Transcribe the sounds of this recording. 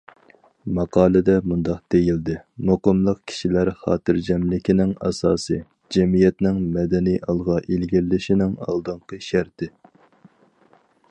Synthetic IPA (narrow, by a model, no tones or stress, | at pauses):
mɑqɑːlˠɨd̪ɛmund̪ɑq̚d̪̥ejild̪ɪmoqəmlˠəqkʲʰi̥ʃilæɾχɑ̰ːt̪ɨɾd͡ʒɛmlɪkʲʰinɪŋɑ̰sɑːsɨ | d͡ʒɛmijɛt̪nɪŋmɛd̪ɛnijʔɑlˠʁɑʔilɡʲilːɪʃinɪŋɑ̰lˠd̪ɨɴqəʃæɾt̪ɪ